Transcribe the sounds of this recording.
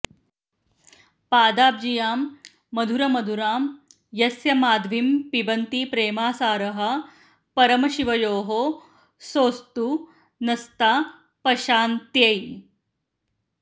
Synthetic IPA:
paːd̪aːb̚d͡ʒijaːmː | ɐd̪ʱuɾɐmɐd̪ʱuɾaːm | jɐsjɐmaːd̪ʱʋimpibɐnt̪iːpɾeːmaːsaːɾɐɦɐ̆ | pɐɾɐmɐɕiʋɐjoːɦoː | soːst̪u | nɐst̪aː | pɐʃaːnt̪jej

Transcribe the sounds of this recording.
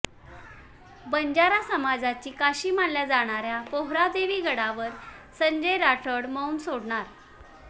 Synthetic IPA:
bəɲd͡ʑaɾasəmad͡zat͡ɕiːkaɕiːmanljad͡zaɽ̃aɾjapoɦɾad̪eʋiːɡəɽaʋəɾsəɲd͡ʑəjɾaʈʰəɽmawnsoɽɳaɾ

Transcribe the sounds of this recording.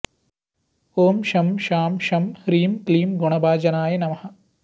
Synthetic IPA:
oːmʃɐmʃaːmʃɐmhɾiːmkliːmɡuɳɐbaːd͡ʒɐnaːjɐnɐmɐhɐ̆

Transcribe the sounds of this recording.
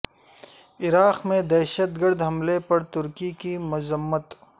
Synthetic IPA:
ɪɾaːqmẽd̪ɛːʃət̪ɡəɾd̪ɦɐmlepɐɾt̪ʊɾkikimʊzəmːət̪

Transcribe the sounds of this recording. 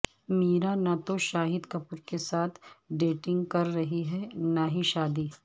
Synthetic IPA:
miːɾanat̪oʃaːɦɪd̪kɐpʊɾkesaːt̪ʰɖeːʈɪ̃ŋɡkɐɾːɐɦiɦɛnaɦiʃaːd̪iː

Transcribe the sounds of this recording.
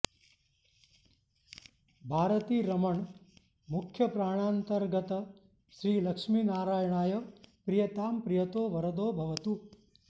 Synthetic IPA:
bʱaːɾət̪iːɾɐməɳ | mʊkʰjəpɾaːɽ̃aːnt̪əɾɡət̪ə | ʃɾiːləkʂmiːnaːɾaːjɳaːjəpɾijət̪aːmpɾijət̪oːʋɐɾəd̪oːbʱɐʋət̪u

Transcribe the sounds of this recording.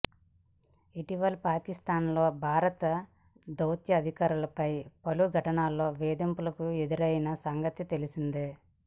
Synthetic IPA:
iʈiʋɐlpaːkist̪aːnlo̞ːbʱaːɾɐt̪ɐ | d̪ɐwt̪jɐːd̪ʱikaːɾulɐpɐjpɐluɡʱɐʈɐnaːlːo̞ːʋeːd̪impulɐkue̞d̪uɾɐjɐnɐsɐŋɡɐt̪it̪e̞lisind̪eː

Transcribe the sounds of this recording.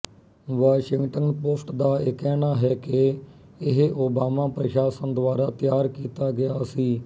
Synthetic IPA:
ʋaːʃɪŋɡʈənpoːsʈd̪aːɪːkɛːnaːɦɛːkɪ | ɪɦʔoːbaːmaːpɾəʃaːsənd̪waːɾaːt̪ɪjaːɾkiːt̪aːɡɪjaːsiː

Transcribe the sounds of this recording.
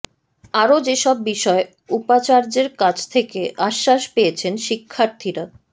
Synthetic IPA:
aɾod͡ʑeʃɔbːiʃɔe | upat͡ɕaɾd͡ʑeɾkat͡ɕʰt̪ʰekeʔaʃːaʃpejet͡ɕʰenʃikʰːaɾt̪ʰiɾa

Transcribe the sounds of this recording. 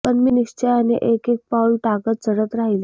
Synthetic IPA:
pənminist͡ɕeanḛʔekek̚pawlʈakət̪t͡səɽət̪ɾaɦile

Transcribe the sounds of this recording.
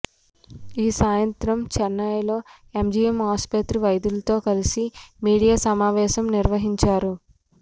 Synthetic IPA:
iːsaːjɐnt̪ɾɐmt͡ʃɛnːɐjlo̞ː | emd͡ʒiːemɦaːspɐt̪ɾiʋɐjd̪ulɐt̪o̞ːkɐlisimiːɽijaːsɐmaːʋɛːʃɐmniɾʋɐɦiɲt͡ʃaːɾu

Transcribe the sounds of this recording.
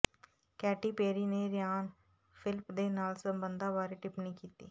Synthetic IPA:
kɛːʈiːpeːɾiːneːɾɪjaːn | pʰɪlpd̪eːnaːlsəmbənd̪ãːʋaːɾiʈɪpniːkiːt̪iː

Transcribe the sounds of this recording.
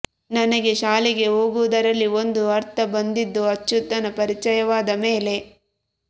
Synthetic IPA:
nɐnɐɡe̞ʃaːliɡe̞ɦo̞ːɡuʋd̪ɐɾɐlːio̞nd̪uɐɾt̪ʰɐbɐnd̪id̪ːuɐt͡ʃːut̪ːɐnɐpɐɾit͡ʃɐjɐʋaːd̪ɐme̞ːle̞

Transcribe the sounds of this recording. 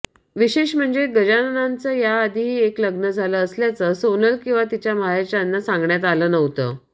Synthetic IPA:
ʋiɕeɕm̤əɳd͡zeɡəd͡ʑanənant͡səːjaːd̪ʱiɦiːekləɡnəd͡zʱaləːsljat͡səsonəlkĩw̃ʋat̪it͡ɕjamaɦet͡ɕanːasãŋɡɳjat̪aləːnəʋt̪əː

